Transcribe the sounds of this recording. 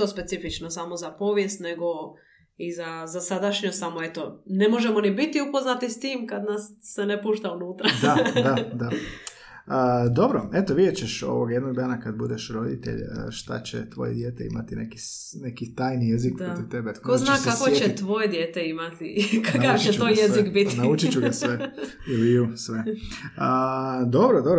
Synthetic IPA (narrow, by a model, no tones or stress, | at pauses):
t̪ospe̞t̪sifit͡ʃnosamo̞zapo̞ːʋje̞st̪neɡo̞ | izazasad̪aʃɲosamoet̪o̞ne̞mo̞ʒe̞monibit̪iupo̞znat̪ist̪iːmkad̪nasːenepuːʃt̪aunuːt̪ɾad̪adad̪a | əd̪o̞bɾoet̪oʋid̪et͡ɕeʃo̞̰ʋoɡjed̪noɡ̚d̪aːnakad̪bud̪eʃɾo̞d̪it̪ḛʎə̰ʃt̪a̰t͡ɕḛt̪ʋo̞̰jed̪jeːt̪eḭmat̪inḛki | nekit̪aːjnijezik̚pɾot̪iʋt̪ebekoznaːkakot͡ɕet̪ʋo̞jed̪jeːt̪eimat̪ikankaʋieoːjjezikbit̪naut͡ʃit͡ɕuɡasʋe | ilijuːsʋeəd̪o̞bɾod̪obɾo